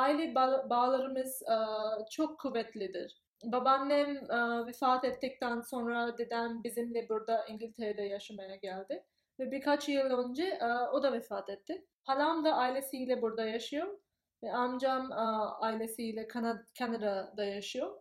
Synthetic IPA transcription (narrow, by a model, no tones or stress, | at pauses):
ailʲɛbbaːlˠaɾɯmɯz̥ɯt͡ʃʰo̞kʰːuvːɛt̪lʲid̪iɾ̥ | babanːɛmːvɛfaːt̪ɛt̪ʰːic̚t̪ʰænso̞nɾad̪ed̪ænbizimlʲɛbuɾd̪aʔiɲɟilʲt̪ʰeɾɛd̪ɛjaʃamajaɟælʲd̪ɪ | vɛbiɾkʰat͡ʃjɯlˠønd͡ʒɛʔo̞d̪avɛfaːt̪ʰɛt̪ːɪ | halʲamd̪aʔajlʲesilʲɛbuɾd̪ajaʃɯjom | vɛamd͡ʒamajlʲesilʲɛkʰanacʰanaɾad̪ajaʃɯjo